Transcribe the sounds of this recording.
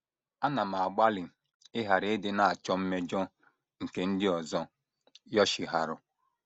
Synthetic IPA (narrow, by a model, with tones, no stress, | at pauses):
a˦na˨m̩a˨a˨ɡ͡ba˦lɪ˨ | ɪ˦ɦa˨ɾɪ˨˦dɪ˦na˨a˨t͡ʃɔ˦m̩˦me˦d͡ʒɔ˦ | ŋ̩˨ke˨n̩˦dɪ˦ɔ˨zɔ˦ | jɔ˦ʃɪ˨ɦa˨ɾʊ˨